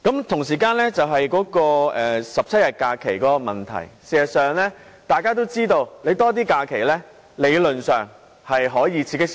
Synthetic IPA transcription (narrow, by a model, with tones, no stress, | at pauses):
kɐ˨˥mt̪ʰʊ˨˩ŋsiː˨˩kaː˧nlɛː˥t͡sɐ˨wɦɐ˨jkɔː˨˥kɔː˧ɛː˨sɐ˨p̚t͡sʰɐ˥t̚jɐ˨˩t̚kaː˧kʰe˨˩jkɔː˨˥kɔ˧mɐ˨nt̪ʰɐ̰˨˩jsiː˨˩jɐ˨˩t̚sœː˨ŋlɛː˥ | t̪aː˨˩jkaː˥t̪̬o˥wt͡siː˥t̪o˧wle˨˧jt̪ɔː˥t̪̬iː˥kaː˧kʰe˨˩jlɛː˥ | le˨˧jlɵ˨nsœː˨ŋ | hɐ˨jɦɔː˨˥jiː˨˧t͡sʰiː˧˥kɪ˥k